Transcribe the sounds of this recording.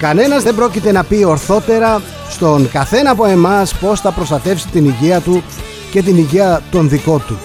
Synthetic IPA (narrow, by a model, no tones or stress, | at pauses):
kɐne̞nɐzðebɾo̞cit̪e̞nɐpio̞ɾθo̞t̪e̞ɾɐ | st̪o̞ŋkɐθe̞nɐːpo̞e̞mɐspo̞sθɐpɾo̞st̪ɐt̪e̞fsi̥t̪iniʝeɐt̪u | ce̞t̪̬iniʝeɐt̪o̞nðiko̞t̪u